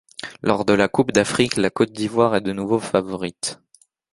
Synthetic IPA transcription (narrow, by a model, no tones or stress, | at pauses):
lʔɔʁd̪əlakupd̪afχiklakɔt̪̚d̪ivwaʁɛd̪ənuvofavɔʁit̪